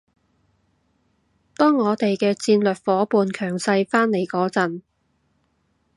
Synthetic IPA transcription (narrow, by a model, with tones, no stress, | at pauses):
t̪ɔː˥ŋːɔː˨˧t̪e˨jkɛː˧t͡siː˧nlɵ˨t̚fɔː˨˥puː˨nkʰœː˨˩ŋsɐ˧jfaː˥nne˨˩jkɔː˨˥t͡sɐ˨n